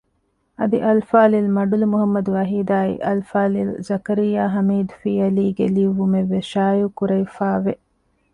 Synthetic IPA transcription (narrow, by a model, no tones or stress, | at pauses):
ɐd̪ḭʔɐlfaːlilmɐɖulumuɦɐmːɐd̪uʋɐɦiːd̪aːḭʔɐlfaːlilzɐkɐɾijːaːɦɐmiːd̪fiːɐliːɡeliʋumeʋːeʃaːjukuɾɐjfaːʋe